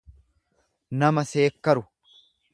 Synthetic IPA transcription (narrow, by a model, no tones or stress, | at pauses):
nɐmɐse̞ːkːɐɾʊ